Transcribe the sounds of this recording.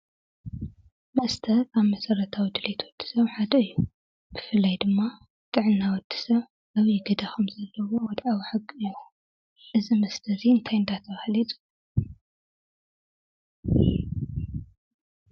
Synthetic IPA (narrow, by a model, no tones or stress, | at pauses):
mɐst̪ʰɐaβmɐsɐɾɐt̪ʰawid̪ɨlet̪ʰwɔd̪̥ːi̥sɐβħad̪ɐɨjːu | bɨfɨlːɐjd̪ɨmːa | t̪ʼɨʕɨnːawɔd̪̥ːi̥sɐβ | ʔaβiɡɐd̪axumzɐlːɐwo̞wɔd̪ʕawiħɨɡːɨjːu | ʔɨzimɐst̪ʰɐziɨnt̪ʰajɨnd̪at̪ʰɐɣɐhlit̪ʼu̥